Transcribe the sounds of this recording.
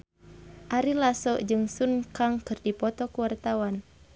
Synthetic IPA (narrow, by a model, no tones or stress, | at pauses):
ʔaɾilasɔʔd͡ʒɨŋsunkaŋkɨrdipɔt̪ɔkuwart̪awan